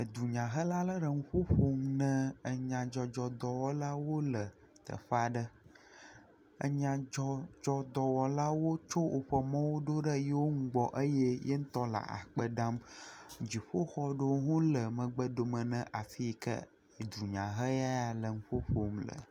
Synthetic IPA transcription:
ə˨d̪u˨ɲã˨ɦə˦la˦lə˦ɖə˨ŋũ˦ɸo˦ɸo˦mnə̃˦ə˨ɲã˨d͡ʒɔ˨d͡ʒɔ˨d̪ɔ˨wɔ˦la˦wo˦lə˨ | t̪ə̰˨ɸa˦ɖə˦ | ə̰˨ɲã˨d͡ʒɔ˦d͡ʒɔ˨d̪ɔ˨wɔ˨la˦wo˦t͡ʃo˦wʔo˨ɸə˨mɔ̃˦wo˦ɖo˦ɖə˦jɛ˦wo˦ŋũ˦ɡ͡bɔ˨ʔə˦jɛ˦jɛ˦ŋ̩˦t̪ɔ˦la̰˨ʔa̰˨k͡pə˦ɖa˦md͡ʑi˨ɸo˦xɔ˦ɖə˦wo˦ɦũ˦lə˨mə̃˨ɡ͡bə˦ɖ̪o˨mə̃˨nə̃˦ʔa˨fi˦kə̰˦˨ | d̪u˨ɲã˨ɦə˦ja˦a˨lə˨ŋũ˦ɸo˦ɸo˨mlə̰˨

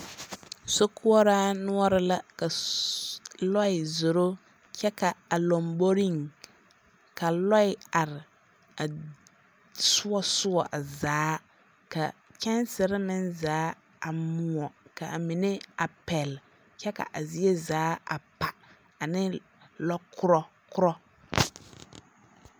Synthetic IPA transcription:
so˦kʰʊ˦ɔ˦ɾaː˦nʊ˦ɔ˦ɾɪ˦la˦ka˨ | lɔ˦ɪ˨zo˨ɾo˦ | t͡ʃɛ˦ka˨a˨lo˨mbo˦ɾi˦ŋ | ka˨lɔ˦ɪ˦a˨ɾɪ˨ | a˨ | sʊ˦ɔ˦sʊ˦ɔ˨ʔa˨zaː˦ | ka̰˨t͡ʃɛ˦nsɪ˨ɾɪ˦mɪ˦nzaː˦ | a˨mʊ˨ɔ˨ka˨a˨mi˨nɪ˦a˨pɛ˨l | t͡ʃɛ˦ka̰˨ʔa˨zi˦e˦zaː˨˦a̰˨pa˨ | a˨nɪ˦ | lɔ˦kʰʊ˦ɾɔ˦ | kʊ˦ɾɔ˦

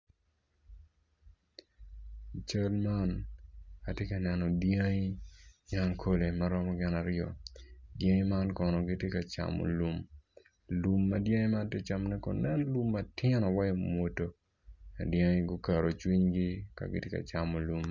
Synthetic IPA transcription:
t͡ʃa˦lma˦n | a˨tje˦ka˨nɛ˨nɔ˨dja˦ŋi˦ja˦ŋkʰo˦le˨maɾɔ˦mɔ˦ɡɪ˦na˨ɾjɔ̰˨dja˦ŋi˦ma˦nkɔ˨nɔ˨ɡɪ˦tje˦ka˨t͡ʃa̰˨mo̰˨lu˨m | lu˨mːɐ˦dja˦ŋi˦ma˦te˦t͡ʃa˨mnɛ˦kɔ̰˨nɛ˦n˦lu˦mːa˦tɪ˦nɔ˨wa˦jo˦mwo˨to˨ | dja˦ŋi˦ɡo˦ka˨ɾo˨t͡ʃwi˦ɲɡi˦ka̰˨ɡɪ̰˦tje˦ka̰˨t͡ʃa˨mo˨lu˨m

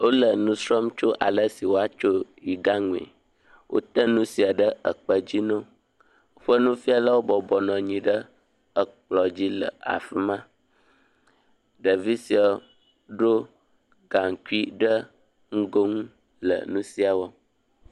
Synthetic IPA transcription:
wo˦lə˨nũ˦sɾɔ˦mt͡ʃo˦ʔa˨lə˦si˨wo˦a˦t͡ʃo˦ji˨ɡa˦ŋũ˨ḛ˨ | wʔo̰˦t̪ə˦nũ˦si˨a˨ɖə˦ə˨k͡pə˨d͡ʑi˦nõ˦ | o˦ɸə˦nũ˦fi˦a˨lə˦wo˦bɔ˨bɔ˨nɔ̃˨ɲĩ˨ɖə˦ | ə˨k͡plɔ˨d͡ʑi˦lə̰˨a̰˨fi˦mã˦ | ɖə˨vi˦si˨ɔ˨ | ɖo˦ | ɡa˨ŋ˨ku˦i˦ɖə˦ | ŋ̩˦ɡo˦ŋ˦ | lə̰˨nũ˦si˦a˨wo˦

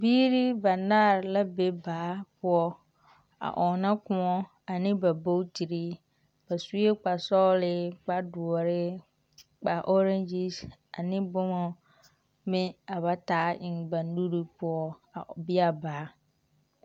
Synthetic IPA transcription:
biː˦ɾi˦ba˨naː˦˨ɾla˦be˦baː˨˦pʊ˦ɔ˦ | a̰˨ʔɔ˨na˦kʊ˦ɔ˦ | a˨nɪ̃˦ba˨bo˦ti˨ɾi˦ | ba˨su˦e˦k͡pa˨sɔ˦lɪ˦k͡pa˦dʊ˨ɔ˨ɾɪ˦ | k͡pa˨ʔɔ˦ɾa˦nd͡ʒi˦sa˨nɪ̃˦bʊ˦mɔ˨ | mɪ̃˦a˨βa˨taː˦ʔɪ˨ŋbã˨n˦du˦ɾi˦pʊ˦ɔ˦a̰˨bɪ˦a˨baː˨˦

